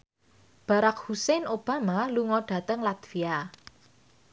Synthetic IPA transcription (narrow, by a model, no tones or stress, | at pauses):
b̥a̤ɾak̚husɛnʔob̥a̤maluŋɔɖ̥ä̤t̪əŋlat̪fia